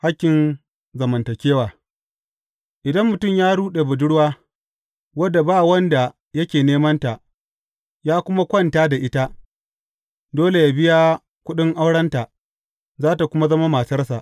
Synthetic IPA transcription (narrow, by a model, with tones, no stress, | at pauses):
ha˦kʲːɪ˨n | zɐ˨mɐ˨ntɐ˨kʲeː˦waː˨ | ʔɪ˨dɐ˦mːʊ˨tʊ˦˨mjaː˦ɽuː˦ɗe˨bʊ˨dʊ˦ɽwaː˦ | wɐ˦dːa˨baː˦wɐ˦nda˨ | jɐ˦kʲeː˨neː˦mɐ˦nta˨ʔ | jaː˦kʷʊ˦ma˦kʷɐ˦˨ntaː˦da˨ʔɪ˦ta˦ | doː˦le˨jaː˨bɪ˦ja˦ | kʷʊ˦ɗɪ˦ŋʔa˦wɽɐ˦nta˨ | zaː˦ta˨kʷʊ˦ma˦zɐ˦ma˦maː˨sɐ˦rsa˨ʔ